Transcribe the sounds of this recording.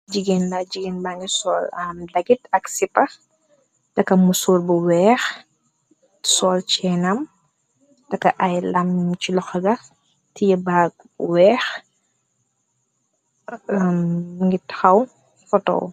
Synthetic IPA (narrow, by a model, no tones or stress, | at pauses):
d͡ʒiɡendaɟiɡinbaŋisɔːlɐmdɐɡitɐksipɐ | tɐkːɐmusuːɾbuwɛːx | sɔːlt͡ʃɛnɐm | dɐkːɐʔɐjlɐmt͡ʃilɔxɐɡɐ | tijɐbaɡ̚ | wɛːx | mŋɡitːɐ̥xɐw | fɔtɔ̰w